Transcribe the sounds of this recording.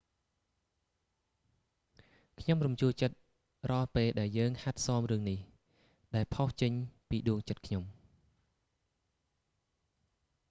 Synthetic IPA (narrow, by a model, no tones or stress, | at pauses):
kʰɲomrumt͡ɕuəlt͡ɕət̪̚ | rɔ̆ɑlpeːlɗaɛljəːŋhat̪̚sɑːmrɨəŋnih | ɗaɛlpʰoht͡ɕəɲpiːɗuəŋt͡ɕət̪̚kʰɲom